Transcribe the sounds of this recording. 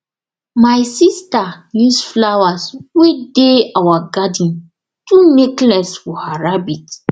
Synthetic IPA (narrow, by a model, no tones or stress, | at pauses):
majsistajusflawaswedeawaɡadĩn | tumeklɛsfɔhaɹabit